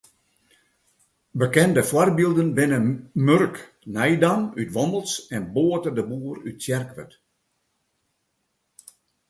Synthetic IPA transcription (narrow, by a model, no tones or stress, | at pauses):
bəkɛndəfwɔrbilˠdənbɪnəmørk | nɛjdanytʋɔməlˠsɛnboːtərdəbuːərytsjɛrkʋə̰t